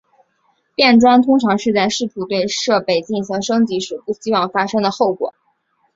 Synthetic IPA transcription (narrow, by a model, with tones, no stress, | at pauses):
pjɛ˥˩nʈ͡ʂwa˥nt̪ʰʊ˥ŋʈ͡ʂʰɑ˧˥ŋʂɻ̩˥˧t͡sa˥˧ɪʂɻ̩˥˩t̪ʰu˧˥t̪we˥˧ɪʂɤ˥˩pe˥˩ɪt͡ɕi˥˩ŋɕi˧˥ŋʂɤ˥ŋt͡ɕi˧˥ʂɻ̩˨˩pu˥˩ɕi˥wɑ˥˩ŋfa˥ʂɤ˥ŋd̪ə˨xo˥˩ʊkwɔ̰˨˩˦